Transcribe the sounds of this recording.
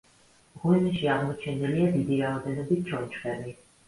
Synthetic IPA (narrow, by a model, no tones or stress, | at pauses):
ʁunaʃiaʁmɔt͡ʃʰɛniliad̪id̪iɾaɔd̪ɛnɔbit̪̚ʰt͡ʃʰɔnt͡ʃʰvɛmi